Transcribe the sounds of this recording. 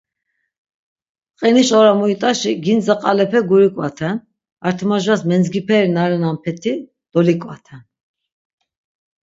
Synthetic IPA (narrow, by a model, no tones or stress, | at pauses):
qʼiniʃɔɾamuit̪ʼaʃiɡinzaqʼalɛpʰɛɡuɾikʼwat̪ʰɛn | aɾt̪ʰmaʒwasmɛnd͡zɡipʰɛɾinaɾɛnampʰɛt̪ʰi | d̪̥ɔlikʼwat̪ʰɛn